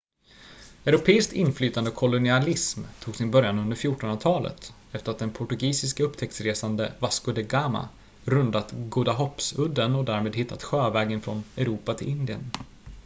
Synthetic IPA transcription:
ɛʉɾʊpʰeːɪsk̚t̪ɪnflyːt̪and̪əkʰɔlʊnɪalɪsmt̪ʰːuːɡsɪnbœɾjanɵnd̪əɾfjuːʈɔnat̪ʰɑːlə̰t̪ | ɛft̪əɾat̪̚d̪ɛnpʰʊʈɵɡiːsɪskaɵpːt̪ʰɛk̚t̪sɾeːsand̪əvaskʊd̪ɛɡama̰ | ɾɵnd̪at̪ɡuːd̪aɦɔpsɵd̪ːənɔd̪æːɾmeːd̪hɪt̪ʰːat̪ɧøːvɛːɡənfɾɔ̰nɛɾuːpat̪ʰɪlɪnd̪ɪə̰n

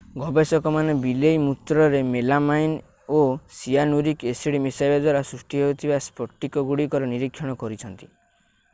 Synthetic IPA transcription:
ɡɔbesɔkɔmanebilejmut̪ɾɔɾemelamajn | osianuɾikesiɽimisajlɔd̪waɾasɾusʈiɦeut̪ʰibaspɔʈːikɔɡuɽikɔɾɔniɾikʰːɔɽ̃ɔkɔɾit͡ʃʰɔnt̪i̥

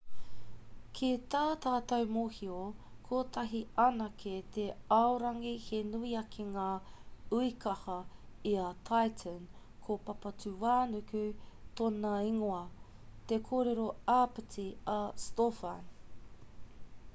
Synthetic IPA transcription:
kʰit̪aːt̪aːt̪ɐwmoːhiokʰoːt̪ɐɦiɐnɐkʰet̪eɐoɾɐŋihenuiɐkʰeŋaːuikɐhɐiɐtʰajtʰən | kʰopɐpɐt͡sʉwaːnʉkʉt̪onɐiŋoɐt̪ekʰoːɾe̞ɾo̞aːpɨt͡siɐstofɐ̰n

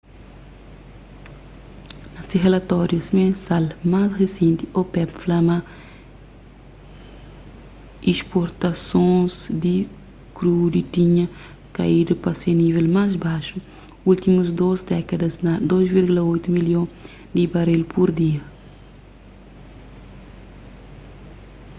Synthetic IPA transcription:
nɐsiʁelɐt̪ɔɾjusimẽnsalmasresẽnt̪iopɛpflama | ispoɾt̪ɐsõzd̪i | kɾud̪it̪ĩɲɐ̃ | kaid̪upɐsenivelmazbaʃu | ult̪imuzd̪ozd̪ɛkɐd̪ɐznɐd̪ozviɾɡulɐojt̪umiljõ | d̪ibɐɾelpʰuɾd̪iɐ

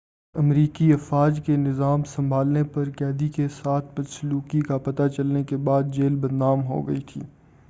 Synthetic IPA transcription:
ɐmɾiːkiɐfaːd͡ʒkenɪzaːmsɐ̃mbʱaːlnepɐɾkɛːd̪ikesaːt̪ʰmɐsluːkikapɐt̪at͡ʃɐlnekebaːd̪̚d͡ʒeːlbɐnːaːmɦo̰ɡɐit̪ʰḭː

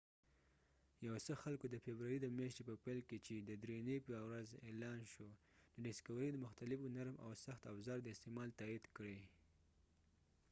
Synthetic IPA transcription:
jawsəxalkod̪əfebɾaɾid̪əmjɑʃt̪epəpalket͡ʃed̪əd̪ɾenepəwɾazelɑnʃo | d̪əɖɪskawɾijd̪əmʊxt̪alɪfʊnaɾma̰wsaxt̪afzɑɾd̪əɪst̪emɑlt̪ɑid̪kɽe

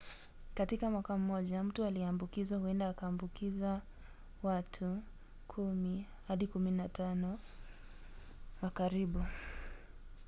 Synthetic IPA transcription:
katikamwakam̩mɔʄam̩tualiambukizahuɛndaːkaːmbukiza | watʰu | kʰumi | haɗikuminatanɔ | wakaɾiɓu

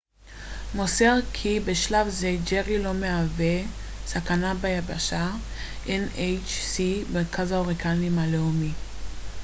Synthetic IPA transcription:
moseʁkʰibeʃlavzed͡ʒeʁilo̞meave̞sakanabajabaʃa | ʔenejt͡ʃsimeʁkʰazaoʁikalimaleumi

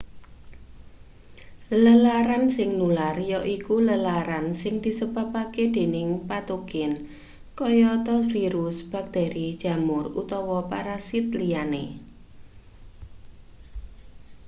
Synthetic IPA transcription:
ləlaɾansɪŋnularjɔʔikuləlaɾansɪŋd̪̥i̤səbapaked̪̥e̤nɪŋpat̪uɡɪn | kɔjɔt̪ɔfiɾʊsb̥a̤k̚t̪eɾid̥ʒ̥ä̤mʊrut̪ɔwɔpaɾasit̪̚liane

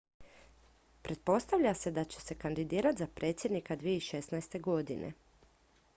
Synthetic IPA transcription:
pɾʔe̞t̪̚po̞st̪aʋʎʲase̞d̪at͡ɕe̥se̞kand̪id̪iːɾat̪ʲzapɾʔe̞t̪sʲje̞d̪nikad̪ʋijeiʃe̞snaest̪e̞ɡo̞d̪ḭnʔḛ

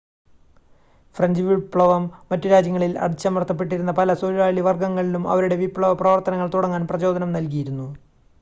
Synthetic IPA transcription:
frɐɲd͡ʑɨʋipɭɐʋɐmːɐtːuɾaːd͡ʑjɐŋːɐɭilɐ̰ɽit͡ɕːɐmɐrt̪ːɐp̬ːe̞ʈ̬ːiɾunːɐpɐlɐsoɾɾaːɭiʋɐrɡɐŋːɐɭilumɐ̰ʋɐɾuɽe̞ʋipːɭɐʋɐprɐʋɐrt̪ɐnɐŋːɐɭt̪uɽɐŋːaːnprɐt͡ɕo̞ːd̪ʱɐnɐmnɐlk̬ijiɾunːu

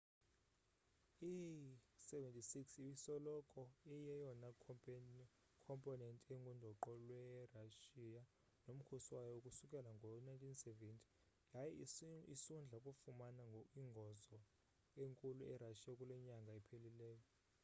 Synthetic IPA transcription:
isɛvɛntʼisiksiwisɔlɔkʼɔɛjɛjɔna | kʰɔmpʼɔnɛntʼɛŋɡʱundʱɔǃɔlwɛraʃija | nom̩kʰoswajɔokʼusukʼɛlaŋɡʱɔnajntʼʰinsɛvɛntʰʼi̥ | jajɛisund͡ɮʱakʼufumanaŋʱiŋɡʱɔzɔ | eŋkʼuluʔɛraʃijakʼulɛɲaŋɡʱaɛpʰelilɛːjɔ

